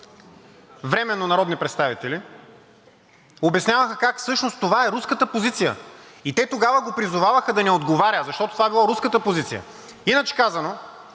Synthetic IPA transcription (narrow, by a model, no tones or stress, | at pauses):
vɾɛmɛnːonɐɾɔd̪nipɾɛt̪st̪avit̪ɛli | obɛsnʲavəxəkakfsɤʃnost̪ovaɛɾuskət̪əpozit̪sijə̰it̪ɛt̪oɡavəɡopɾizʊvavəxəd̪ɐnɛod̪ɡovaɾʲəzɐʃt̪ɔt̪ot̪ovaɛbilˠaɾuskət̪əpozit̪sijə̰ | inət͡ʃɛ̥kazɐno